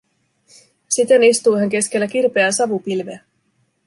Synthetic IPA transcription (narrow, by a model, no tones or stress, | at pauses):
sit̪e̞nist̪ujɦæŋk̟e̞sk̟e̞lːæk̟irpe̞æsɑʋupilʋeæ